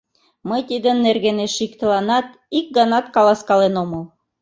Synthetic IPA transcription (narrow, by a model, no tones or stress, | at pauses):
mɤ̆jt̪ʲid̪ɘ̆nːerɣeneʃikt̪ɤ̆lˠɑnɑt̪ | ik̚ɡɑnɑt̪kɑlˠɑskɑlˠenomɤlˠ